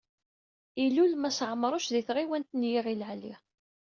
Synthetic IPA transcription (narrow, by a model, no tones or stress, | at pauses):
ilulmæsʕəmːɾˤʊʃðiθʁiwænt̪njiʁilʕli